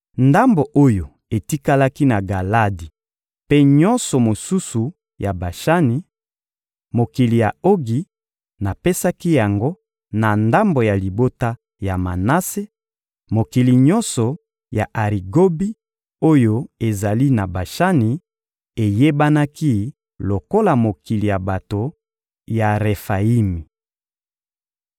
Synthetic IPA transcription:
nda˦mbo˨ʔo˦jo˨ | e˨ti˦ka˦la˦ki˦na˨ɡa˨la˦di˨ | pe˦ɲɔ̃˦nsɔ˨mo˨su˦su˨ | ja˨ba˨ʃa˦ni˨ | mo˨ki˨li˨ja˨o˦ɡi˨ | na˨pe˦sa˦ki˦ja˨ŋɡo˦ | na˨nda˦mbo˨ja˨li˨bo˦ta˦ | ja˨ma˨na˦se˦ | mo˨ki˨li˨ɲɔ˦nsɔ˨ | ja˨ʔa˨ʁi˨ɡo˦bi˦ | o˦jo˦e˨za˨li˦na˨ba˨ʃa˦ni˨ | e˨je˦ba˦na˦ki˦ | lo˨ko˦la˨mo˨ki˨li˨ja˨ba˨to˨ | ja˨ʁe˨fa˨i˦mi˨

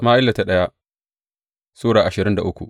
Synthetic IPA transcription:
maː˦ʔɪ˦lːa˨ta˦ɗɐ˦ja˦ʔ | soː˦ɽaː˨ʔa˨ʃɪ˨ɾɪ˦nda̰˨ʔʊ˦kʷṵ˨ʔ

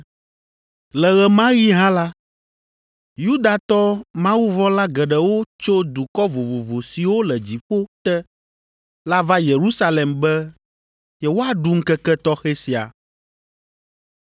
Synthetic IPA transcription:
lɛ˨ɣɛ˨mã˦wi˦ɦã˦la˦ | ju˦d̪a˨t̪ɔ˦mã˦wu˦vɔ˦la˦ɡɛ˨ɖɛ˨wo˦t͡ʃo˦d̪u˨kɔ˦vo˨vo˨vo˨si˨wo˦lɛ˨d͡ʑi˨ɸo˦t̪ɛ˦ | la˦va˦je˨ɾu˦sa˦lɛ˨mbɛ˦ | jɛ˨wo˦a˨ɖu˨ŋ̩˦kɛ˦kɛ˦t̪ɔ˦xɛ˦si˨a̰˨

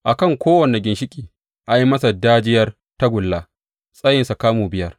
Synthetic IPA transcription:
ʔa˨kɐ˦˨ŋkʷoː˦wɐ˨ne˨ɡʲɪ˨nʃɪ˦kʲʼiː˨ | ʔa˨ji˦mɐ˦sa˨daː˦d͡ʒɪ˦jɐ˦r | ta˦ɡʷʊ˨lːaː˦ | sʼɐ˦jɪ˨nsa˨kaː˦muː˨bɪ˦jɐ˦r

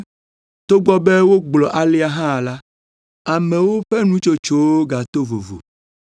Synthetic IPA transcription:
t̪o˦ɡ͡bɔ˦be˦wo˦ɡ͡blɔ˨ʔa˨li˦a˦ɦã˦˨la˦ | a˨mẽ˨wo˦ɸe˦nũ˦t͡ʃo˦t͡ʃo˦wo˦ɡa˨t̪o˦vo̰˨vo̰˨

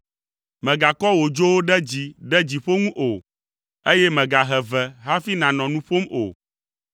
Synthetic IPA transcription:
mɛ̃˨ɡa˨kɔ˦wo˨d͡ʒo˦wo˦ɖɛ˦d͡ʑi˨ɖɛ˦d͡ʑi˨ɸo˦ŋũ˦ʔo˨ | e˦jɛ˦mɛ̃˨ɡa˨ɦɛ˨vɛ˨ɦa˦fi˦nã˨nɔ̃˨nũ˦ɸo˦mo̰˨

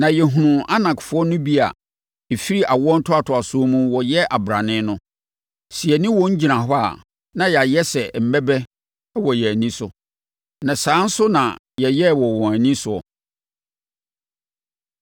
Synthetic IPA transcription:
nã˨jɛ˨ɦũ˨nũ˨a˦nã˨kfʊ˦ɔ˦nʊ̃˦bi˦a̰˨ | e˨fi˦ɾi˦ʔa˨wɔ˦n̩˦tʰʊ˦a˨tʰʊ˨a˨sʊ˦o˦mũ˦wɔ˨jɛ˦ʔa˨bɾa˨nɪ̃˦nʊ̃˦ | si˨ɛ˨nɪ̃˦wɔ̃˨˦ɲ̩˦d͡ʑi˨nã˨ɦɔ˦a̰˨ | nã˦ja˨jɛ˦sɛ˨m̩˨mɛ˦bɛ˦ | ɛ˦wɔ˨jɛ˨æ˨nĩ˦sʊ˨ | nã˨sãː˨˦n̩˦sʊ˦nã̰˨ | jɛ˨jɛ˦wɔ˨wɔ̃˨æ˨nĩ˦sʊ˨ɔ̰˨

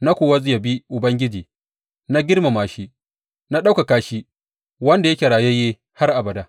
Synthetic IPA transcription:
na˦kʷoː˨wa˦zɪ˦ja˨bi˦ʔʊ˨bɐ˦ŋɡʲɪ˦d͡ʒiː˨ | na˦ɡʲɪ˦rma˨maː˨ʃi˦ | na˦ɗa˦wka˨kaː˦ʃi˦ | wɐ˦nda˨jɐ˦kʲe˨ɾaː˨je˦jeː˦ | ha˦rʔa˨bɐ˨da˦

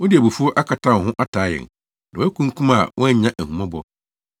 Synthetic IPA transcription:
wɔ̃˦di˨æ˨bu˨fu˦ɔ˦ʔa˦kʰa˨tʰã˦˨ɦʊ̃˦ʔa˦tʰaː˨˦jɛ̰̃˨ŋ | nã˨ɔ˦æ˦kʰũ˦ŋ˦kʰũ˦ma˨wʔɔ̃˦ɲã˦ʔæ˨hũ˨mã˦bɔ˦

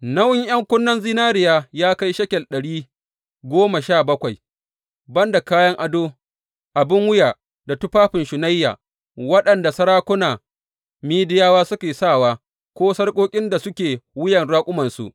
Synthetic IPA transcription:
nɐ˦wɪ˦ŋj̰ɐ˦ŋkʷʊ˦nːɐ˦nzi˦naː˦ɾɪ˨jaː˦jaː˦ka˦jʃɐ˦kʲɛ˨ɗɐ˨ɽiː˦ | ɡʷoː˦ma˨ʃaː˦˨bɐ˦kʷa˨j | bɐ˦nda˨kaː˦jɐ˦ŋʔa˨doː˦ | ʔa˨bɪ˦ŋwʊ˦jaː˨ | da˨tʊ˦ɸaː˦ɸɪ˨nʃʊ˨na˦jːa̰ː˨ | wɐ˦ɗɐ˨nda˨sɐ˦ɾaː˦kʷʊ˦naː˨ | miː˦dɪ˦jaː˦waː˦sʊ˦kʲeː˨saː˦˨waː˦ | kʷoː˦sɐ˦rkʷʼoː˦kʲʼɪ˦nda˨sʊ˦kʲeː˨wʊ˦jɐ˨nɽaː˦kʷʼʊ˦mɐ˨nsṵ˨ʔ

